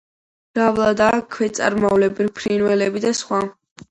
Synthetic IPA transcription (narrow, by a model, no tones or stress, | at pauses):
ɾavlˠad̪akʰwɛt̪sʼa̰ɾmalɛbilpʰɾinwɛlɛbid̪asχwa